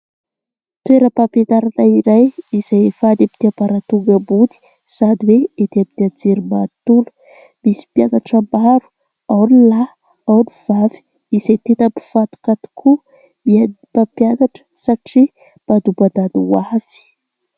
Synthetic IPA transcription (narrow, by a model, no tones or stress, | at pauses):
t̪weɾəpapenaɾanaiɾajiz̥ajfad̪api̥t̪iapaɾat̪uɡəbud̪i̥ | z̥ad̪iweet̪apid̪iad͡zeɾimat̪ulu̥ | misi̥pjanaʈ͡ʂəmbaɾu̥ | awnila | awniv̥avi̥ | izajt̪et̪abi̥fat̪u̥kat̪i̥kʰu | mia | papjanaʈ͡ʂə̥saʈ͡ʂi | b̥ad̪ubad̪aniwav̥i̥